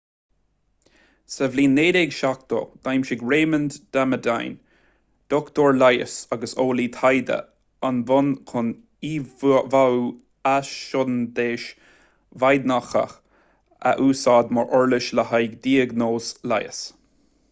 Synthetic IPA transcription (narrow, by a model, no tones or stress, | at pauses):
səvliːnːeːɾeɡʃak̚t̪o̰ɡ̥ajmʃɪɡɹeːmənd̪d̪̥aməd̪a̰jn | d̪̥ɔkt̪oɹlajə̰saɡəsoːliːt̪ʰajd̪ə̰ | anvʊnkʰʊn | ivaw | aʃɔnd̪eːʃ | vajd̪naxə̰x | a̰ʔuːsɑːd̪mɔɹʔɔɹlɪʃləhajɡd̪iːəɡnoːsla̰jə̰s